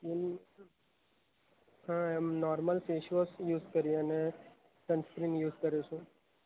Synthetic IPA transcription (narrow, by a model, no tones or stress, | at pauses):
in | ɦãɛmnɔːɾməlseːʃʋosjuːzkəɾieəne | sə̃nskɾinjuːzkəɾjut͡ʃʰũ